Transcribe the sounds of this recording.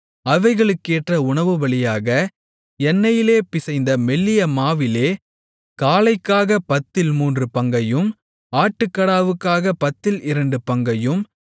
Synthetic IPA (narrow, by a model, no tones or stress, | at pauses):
ɐʋɐɪɣɐɭɯkːeːʈrɐʊɳɐʋɯʋɐɭɪjaːɣɐ | ɛnːɐjɪleːpɪsɐɪnd̪ɐmɛɭːɪjɐmaːʋɪleː | kaːlɐɪkːaːɣɐpɐt̪ːɪlmuːndrɯpɐŋɡɐjɯm | aːʈːɯkːɐɽaːʋɯkːaːɣɐpɐt̪ːɪlɪɾɐɳɖɯpɐŋɡɐjɯm